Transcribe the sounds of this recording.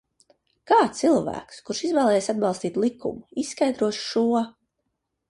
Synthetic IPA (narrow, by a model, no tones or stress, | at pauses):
kaːt̪silˠvæ̰ːkskuɾʃizvɛːlˠɛːjesad̪bɑlˠst̪iːt̪lˠikṵmʊisːkajd̪ɾuɔʃʃuɔ